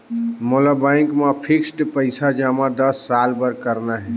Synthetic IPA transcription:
molabaɪ̃ŋkmapʰiksʈpəɪsad͡ʒamad̪əsːalpəɾkəɾnaɦɛ

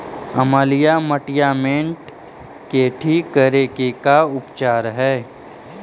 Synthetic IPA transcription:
əmaːlijaməʈɪjaːmẽɳʈ | keːʈʰikəɾeːkekaʊpt͡ʃaːɾɦɛː

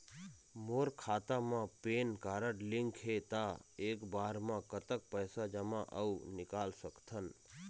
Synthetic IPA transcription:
moːɾkʰaːt̪amãpeːnkaːɾəʈlɪŋkʰet̪aeːkbaːɾmãkət̪ək̚pəjsad͡ʒəmãʔə̰unɪkalsəkt̪ʰən

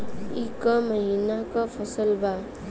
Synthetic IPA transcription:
ikʌmʌɦinakʌpʰʌsʌlba

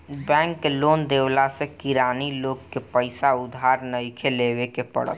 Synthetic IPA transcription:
bɛ̃ːŋkːeloːnd̪eːwlasekɪɾaːniloːɡkepəɪsaʊd̪ʱɦaːɾnəɪkʰeleːwekepə̰ɽə̰t̪

